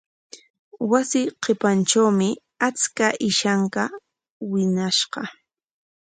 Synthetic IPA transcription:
wasɪqʰepanʈ͡ʂawmɪ | at͡skaʔɪʃaŋka | wɪnaʃɢɑ

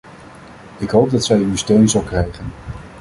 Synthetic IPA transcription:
ɪkɦowp̚dɑtsɛjywstøɥnzɑlˠkrɛjχən

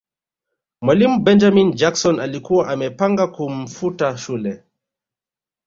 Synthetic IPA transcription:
mwalimubɛnd͡ʒamind͡ʒaksɔnalikuwaʔamɛpaŋɡakum̩futaʃulɛ

